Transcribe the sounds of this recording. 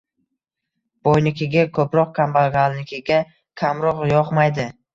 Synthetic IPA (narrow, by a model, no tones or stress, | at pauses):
b̥ojnɪkʲʰɪɡʲakʰɵpɾɒq̚kʰambaɡalnɪkʲʰɪɡʲa | kʲʰamɾɒqjɒqmajd̪ɪ